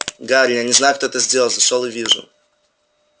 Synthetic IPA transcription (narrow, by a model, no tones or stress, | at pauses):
ɡaɾʲjanʲɪznajʊkt̪oɛt̪əzʲdʲelˠəlˠzɐʂolˠɨvʲiʐʊ̰